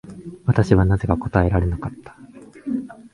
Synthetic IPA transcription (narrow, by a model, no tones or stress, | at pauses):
βat̪aɕiβanaze̞kako̞t̪ae̞ɾaɾe̞nokat̪ːḁ